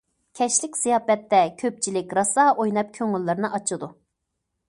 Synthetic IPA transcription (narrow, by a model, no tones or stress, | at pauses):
kʲʰɛʃlɪkʲsijɑːpɛt̪ːɛkʲʰøp̚t͡ʃʰilɪkʲɾɑsɑʔojnɑp̚kʲʰøŋylːɨɾɨnɨʔɑt͡ʃʰɨd̪u